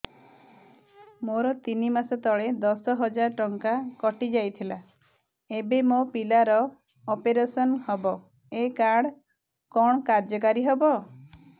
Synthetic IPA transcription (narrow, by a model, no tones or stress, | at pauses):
moɾɔt̪inimasɔt̪ɔɭed̪ɔsɔɦɔd͡ʒaɾʈɔŋkakɔʈid͡ʒajt̪ʰila | ebemopilaɾɔː | peɾesɔnhɔbɔ | ekaɽ | kɔɳ̃ɔkaɾd͡ʒɔkaɾiɦebɔ